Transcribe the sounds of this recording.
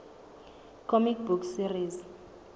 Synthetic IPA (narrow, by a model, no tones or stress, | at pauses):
kʰɔmik̚buksiriz